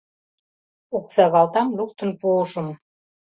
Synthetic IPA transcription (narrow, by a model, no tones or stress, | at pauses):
ok̚t͡sɑɣɑlˠt̪ɑmlukt̪ə̆npolʃə̆m